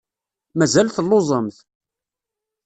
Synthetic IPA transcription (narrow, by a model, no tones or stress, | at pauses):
mæzælθəlːozˤəmθ